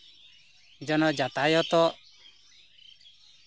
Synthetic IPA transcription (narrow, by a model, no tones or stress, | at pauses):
d͡ʒɔnɔd͡ʒat̪ajɔt̪ɔ